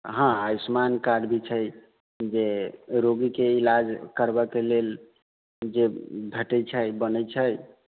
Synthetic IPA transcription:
ɦãasmankaɖbʱit͡ʃʰəj | d͡ʒeɾoɡikeilad͡ʒkəɾbɛkelel | d͡ʒebʱəʈət͡ʃʰəjbənət͡ʃʰəj

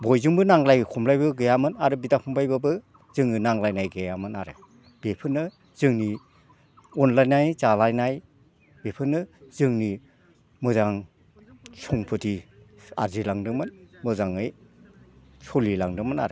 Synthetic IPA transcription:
bɔjzɯŋbɯnaŋlajkʰumlajbɯɡɯjamɯnaɾɯbitapʰumbajbɯbɯ | zɯŋɯnaŋlajnajɡɯjamɯnaɾɯ̰ | b̥epʰɯnːɯ | z̥ɯŋni | ɔnlajnajzalajnaj | bepʰɯnːɯz̥ɯŋni | mɯzaŋ | sɔŋpʰɯti | a̰ɾzilaŋdɯŋmɯnmɯzaŋɯj | sɔlilaŋdɯmɯna̰ɾɯ

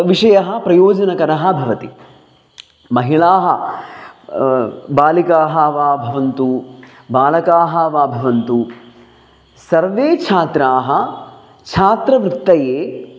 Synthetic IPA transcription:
ʋiʂɐjɐɦɐ̆pɾɐjoːd͡ʒɐnɐkɐɾɐɦɐ̆bʱɐʋɐt̪i | mɐɦiɭaːɦɐ | baːlikaːɦɐʋaːbʱɐʋɐnt̪u | baːlɐkaːɦɐʋaːbʱɐʋɐnt̪u | sɐɾʋeːt͡ʃʰaːt̪ɾaːɦɐ | t͡ʃʰaːt̪ɾɐʋɾɪt̪ːɐjeː

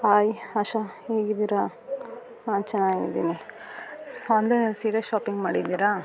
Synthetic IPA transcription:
aːjiɐʃɐheːɡid̪iɾa | naːnt͡ʃɛnːaːɡid̪ḭːni | ond̪enelsiːɽeʃaːpiŋɡmaːɽid̪iɾa

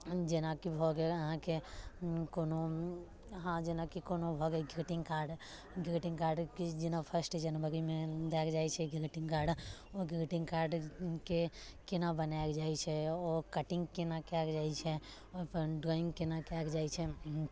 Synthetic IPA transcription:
d͡ʒenakibʱɔɡɛəɦãke | kono | ɦãd͡ʒenakikonobʱɔɡɛɡɾʈĩŋɡkaɾɖ | ɡɾiʈĩŋɡkaɾɖkid͡ʒenapʰəɾsʈd͡ʒənbəɾimẽd̪ɛkd͡ʒajt͡ʃʰɛɡɾeʈĩŋɡkaɾɖoɡɾʈĩŋɡkaɾɖkekenabənakd͡ʒajt͡ʃʰɛɔkəʈĩŋɡkenakakd͡ʒajt͡ʃʰɛ | opəɾɖɾɔĩŋɡkenakakd͡ʒaːjt͡ʃʰɛ

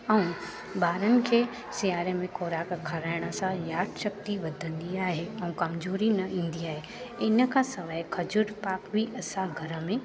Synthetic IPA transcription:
ɛũ | baːɾənɪ̆kʰeː | sijaːɾəmẽkoːɾaːkkʰːɐɾaːɪɽ̃ə̆sãjaːʈ̪ʃɐk̚t̪iʋɐd̪ʱə̃nd̪iaːɦeɛ̃ũkɐmzoːɾinɐĩːn̆d̪iaːɦe | ɪnə̆kʰãsɐʋaːkʰɐd͡ʑʊɽpaːkbʱiʔɐsãɡʱɐɾə̆mẽ

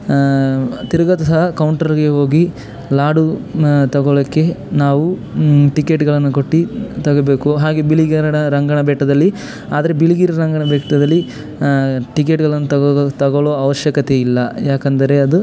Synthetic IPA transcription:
t̪iɾɐɡɐt̪ɐsɐɦɐkɐwɳʈɐɾɡeɦo̞ːɡi | laːɖut̪ɐɡɔɭɐkːe̞naːʋuʈikeʈɡɐɭɐnːukoʈːit̪ɐɡobe̞ːkuɦaːɡebiɭiɡiɾɐɳɐɾɐŋɡɐɳɐbɛːʈɐd̪ɐlːi | aːd̪ɐɾebiɭiɡiɾɐɾɐŋɡɐɳɐbɛːʈɐd̪ɐlːi | ʈik̬eʈɡɐɭɐnːuɐt̪ɐɡɔɭoːɐʋɐʃjɐkɐt̪eilːɐjaːkɐnd̪ɐɾe̞ɐd̪u

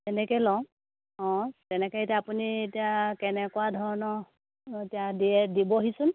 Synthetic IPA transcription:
tɛnɛkɛlɔ̃ | ɔ̃tɛnɛkɔetiaːpunietiakɛnɛkɔwadʱɔɹɔnɔ | etijadiɛdibɔɦisʊn

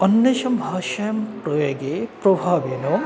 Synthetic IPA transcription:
ɐnjɐʃɐmbʱaːʃɐjɐmpɾojoɡepɾobʱaːʋeno

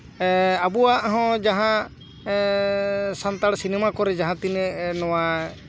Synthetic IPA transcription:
abuwaʔɦɔ̃d͡ʒaɦã | sant̪aɽsinɛmakɔɾɛd͡ʒaɦãt̪inɛnɔwa

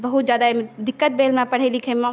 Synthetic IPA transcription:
bɐɦʊt̪zjaːd̪aemd̪ɪkːət̪̚beːlmãpɐɽ̤elɪkʰẽmã

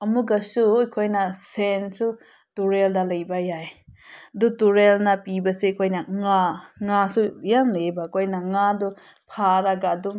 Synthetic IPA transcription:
ɐmuɡɐsujkʰojnɐsensu | tuɾeldɐlɐjbajajɐdutuɾelnɐpibɐsekʰojnɐŋaŋasujaŋlebakʰojnɐŋadupʰaɾɐɡaːdum

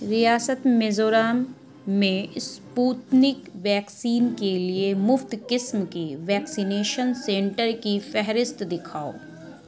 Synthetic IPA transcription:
ɾijaːsət̪mezoːɾaːmː | ẽspuːt̪nɪkʋɛːksiːnkeliemʊft̪kɪsmkeʋɛːksineːʃənsẽːɳʈəɾkifɛɦɾɪst̪d̪ɪkʰaːo̰ː

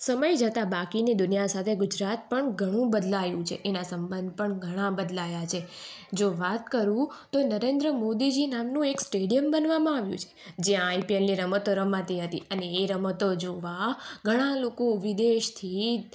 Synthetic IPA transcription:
səməjd͡ʒət̪abakinid̪ʊnijasat̪ʰeɡʊd͡ʒɾat̪̚pəɳɡʱəɽ̃ũbəd̪lajũt͡ʃʰḛʔenasəmbənd̪̚ʱpəɳɡʱəɽ̃abəd̪lajat͡ʃʰed͡ʒoʋat̪kəɾũt̪onəɾend̪ɾəmod̪id͡ʒinamnũeksʈeɖijəmbənʋamãaʋjṵ̃t͡ʃʰe̥d͡ʒeãːjpienliɾəmət̪oɾəmãt̪iɦət̪ḭəneːɾəmət̪od͡ʒoʋaɡʱəɽ̃alokoʋid̪eʃt̪ʰi

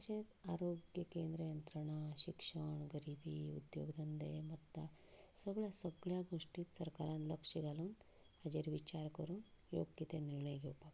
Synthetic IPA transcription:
ɐsẽt̪aːɾoɡjɐkeːnd̪ɾɐjɐnt̪ɾɐɳaɕikʂəɳɡɐɾibʱiṵd̪jo̰ːɡd̪ɐnd̪emɐt̪ːa | səɡɭasəɡɭjaɡoʂʈit̪sɐɾkaɾanləkʂiɡaluːn | ad͡ʒeɾʋit͡ʃaɾkəɾuːnjo̰ːɡjit̪eniɾɳəjɡeːpak

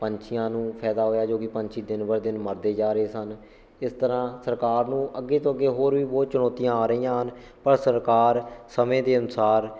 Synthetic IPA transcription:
pəɲt͡ʃʰɪjãːnũːpʰɛːd̪aːɦoːjaːd͡ʒoːkɪpəɲt͡ʃʰiːd̪ɪnʋəɾd̪ɪnməɾd̪eːd͡ʒaːɾəeːsən | ɪst̪əɾãːsəɾkaːɾnũːʔəɡːeːt̪õːəɡːeːɦoːɾʋiːboːt͡ʃəɽɔːt̪ijãːaːɾəiːãːɦən | pəɾsəɾkaːɾsəmẽːd̪eːənʊsaːɾ

